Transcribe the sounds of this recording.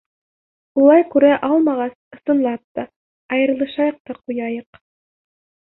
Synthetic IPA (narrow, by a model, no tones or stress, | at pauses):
ulˠɑjkʉɾæʔɑlˠmɑʁɑsɤ̆sɤ̆nlˠɑp̚t̪ɑ | ɑjɤ̆ɾ̆lˠɤ̆ʃɑjɤq̚t̪ɑqujɑjɤq